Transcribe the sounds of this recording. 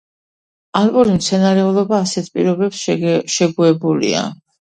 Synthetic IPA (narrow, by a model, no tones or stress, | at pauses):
alkʼɔɾimt̪sʰɛnaɾɛulˠɔbaːsɛt̪ʰpʼḭɾɔbɛpsʃɛɡuɛbulḭa̰